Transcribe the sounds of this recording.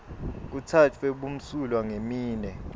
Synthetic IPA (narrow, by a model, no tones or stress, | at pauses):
k̬utʰatʰeɓum̩sulwaŋemiːnɛ